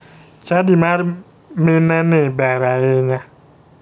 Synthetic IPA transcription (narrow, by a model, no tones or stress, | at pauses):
t͡ʃadimaɾ | menanebɛɾaena